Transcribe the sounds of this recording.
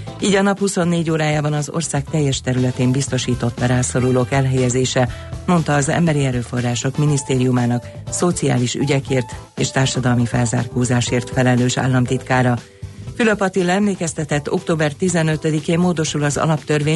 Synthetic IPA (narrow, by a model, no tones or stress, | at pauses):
iːɟɒnɒphuso̞nːeːɟoːɾaːjaːbɒnɒzo̞̰rsaːkt̪ɛjːɛʃt̪ɛɾylɛt̪eːmbist̪o̞ʃiːt̪o̞t̪mɛɾaːso̞ɾuloːkɛlɦɛjɛzeːʃɛmo̞nt̪ɒːzɛ̰mbɛɾiɛɾøːfo̞rːaːʃo̞kminist̪eːɾijumaːnɒkso̞t̪sija̰ːliʃy̰ɟɛkeːrt̪eːʃt̪aːrʃɒd̪ɒlmifɛlza̰ːrkoːzaːʃeːrt̪fɛlɛløːʃa̰ːlːɒmt̪it̪kaːɾɒ | fyløpɒt̪ilːɛmleːkɛst̪ɛt̪ɛt̪ːo̞kt̪oːbɛrt̪izɛnø̞t̪ød̪ikeːmːoːd̪o̞ʃulɒzɒ̰lɒpt̪ørveː